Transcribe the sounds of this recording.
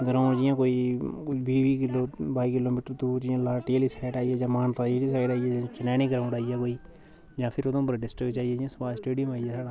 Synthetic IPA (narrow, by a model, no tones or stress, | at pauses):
ɡəɾãːd͡ʒɪjãːkoːiːbiːbiːkɪloːbaːikɪloːmiːʈəɾt̪uːd͡ʒɪjãːlaːʈeːlisaːɪʈaːijeːd͡ʒãːmaːnt̪aːd͡ʒiʈiːsaːɪʈaːijɛːd͡ʒãːt͡ʃɪnɛːniːkɾãːʊ̃ɖaːijaːkoːiː | d͡ʒãːpʰɪɾod̪õːpɾɖɪsʈəkt͡ʃaːɦijeːd͡ʒjãːspaːsʈeːɖijəmaːieːsaːɽaː